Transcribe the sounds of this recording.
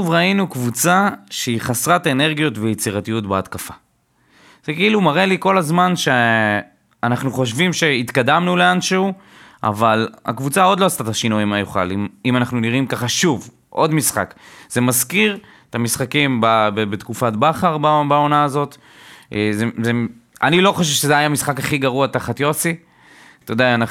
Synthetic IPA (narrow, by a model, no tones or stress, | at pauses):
ʃuvʁainukvut͡saʃeiχasʁatene̞ʁɡijot̪vejet͡siʁatijutbeatkafḁ | z̥ekeilumaʁe̞liko̞lazmanʃe | anaχnuχo̞ʃ̬vimʃe̞it̪kadamnuleanʃeu | ʔa̰vala̰kvut͡saod̪lo̞ast̪at̪aʃinuimajuχa̰limimanaχnuniʁimkaχaʃuv | ʔo̞d̪misχa̰kz̥e̞mazkiʁ | et̪amisχakimbabebet̪kufat̪̚baχaʁbabao̞naːzo̞t̪ | ʔezezeanilo̞χoʃ̬eʃezeajamisχakaχiɡaʁuat̪aχat̪jo̞si | t̪od̪eana